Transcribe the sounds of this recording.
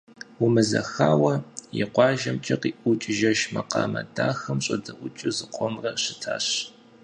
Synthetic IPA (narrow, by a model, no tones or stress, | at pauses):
wumɨzɐ̰xaːwɐjɪqʷɑːʒɐmt͡ʃʼɐqiːʔʊt͡ʃʼɪʒɐʃmɐqɑ̰ːmɐdaːxɐmɕʼɐdɐʔʷʊt͡ʃʼɨzɨqʷʼɔmrɐɕɪtʰa̰ːɕ